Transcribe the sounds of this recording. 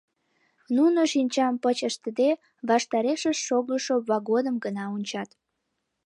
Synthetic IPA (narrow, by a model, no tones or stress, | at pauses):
nunoʃinʲt͡ɕɑmpət͡ɕəʃt̪əd̪e | βɑʃt̪ɑɾeʃəʃːoɣəʃoβɑɣod̪əmɡənɑunʲt͡ɕɑt̪